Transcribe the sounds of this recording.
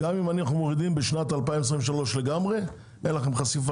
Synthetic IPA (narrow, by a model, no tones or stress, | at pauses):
ɡamimaninaχnumo̞ʁid̪imbeʃnat̪alpaimes̬ʁiveʃalo̞ʃle̞ɡamʁe̞ | enlaχe̞mχasif